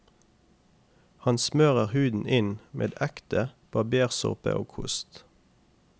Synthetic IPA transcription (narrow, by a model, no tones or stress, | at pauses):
hɑnsmøːʁəʁhʉːd̪n̩ʔɪnmʔḛːd̪ækt̪əb̥ʰɑːbeːʁsʊ̰ʁpə̰ʔoːkʰʊ̰st̪